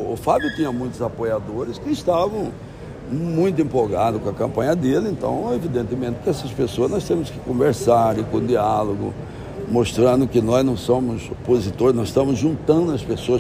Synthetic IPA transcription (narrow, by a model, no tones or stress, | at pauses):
ʊfabjʊt̪ĩɲɐmũj̃t̪ʊzapojad̪oɾɪskɪɪst̪avɐ̃w̃ | mũj̃t̪̬ʊẽpoɡad̪ʊkõɐkɐ̃mpɐ̃ɲɐd̪elɪẽnt̪ɐ̰̃w̃evid̪ẽnt̪ɪmẽt̪ɪ̥kɪɛsɐspesoɐznɔst̪ẽmʊskɪ̥kõveɾsaɾɪkõd̪ialoɡʊ̰ | most̪ɾɐ̃nd̪ʊkɪnɔznɐ̃w̃sõmʊzopozit̪oɾznɔzɪʃt̪ɐ̃mʊzʒũnt̪ɐ̃nd̪ʊɐspesoɐ